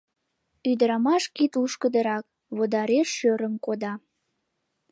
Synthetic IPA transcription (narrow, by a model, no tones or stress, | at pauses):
yd̪əɾɑmɑʃkit̪uʃkəd̪əɾɑk̚ | βod̪ɑɾeʃːøɾəmkod̪ɑ